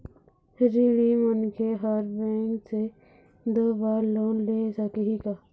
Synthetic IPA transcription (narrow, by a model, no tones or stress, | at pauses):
ɾilimənkʰeɦaɾbẽːŋkse | d̪oːbaːɾloːnleːsakeɦikaː